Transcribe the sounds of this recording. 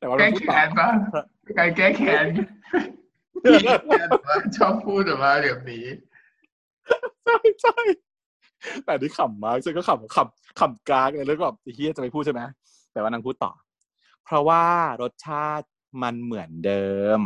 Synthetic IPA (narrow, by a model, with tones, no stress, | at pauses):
t̪ɛ˨˩wa˥˧˥ɛː˨˧˦nba˥˩˥ | ka˧kɛː˥˩kʰɛː˨˦n˧ | a˥˩t͡ɕʰɔː˥˩pʰuː˥˩t̪̚a˨˩maː˥˩di˨˩p̚niː˦˥ | t͡ɕʰa˥˩jt͡ɕʰa˥˩j | t̪ɛ˨˩a˧niː˦˥˩kʰa˨˩mːaː˥˩k̚t͡ɕʰa˥˩kɔ˥˩kʰa˨˩kʰa˨˩m | kʰa˨˩mkaː˦˥k̚la˧ɾɯ˦˥k̚waː˨˩t̪i˨˩i˥˩a˨˩t͡ɕa˨˩pa˨jpʰu˥˩t͡ɕʰa˥˩ma˦˥ | t̪ɛː˨˩waː˥˩naː˧pʰuː˥˩t̪ːɔ̰ː˨˩ | pʰɾɔ˦˥waː˥˩ɾo˦˥t̪̚t͡ɕʰaː˥˩t̪̚ | ma˧nmɯ˩˦əndɤː˧m